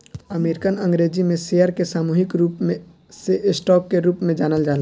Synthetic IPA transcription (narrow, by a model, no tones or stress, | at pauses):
əmeːɾɪkənɐ̃ŋɡɾeːd͡ʒimẽsejəɾkesaːmuːɦɪkɾuːpmẽ | seʔɪsʈɔːkːeɾuːpmẽd͡ʒaːnəld͡ʒaːla